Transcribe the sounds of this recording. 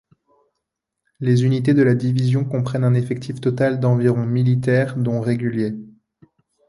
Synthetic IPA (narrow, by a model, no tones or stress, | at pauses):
lezynit̪ed̪əlad̪ivizjɔ̃kɔ̃pχɛnɛ̃nefɛk̚t̪ʰift̪ɔt̪ald̪ɑ̃viʁɔ̃milit̪ɛːʁd̪ɔ̃ʁeɡʲylje